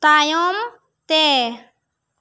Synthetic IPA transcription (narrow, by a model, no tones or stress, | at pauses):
t̪ajom | t̪e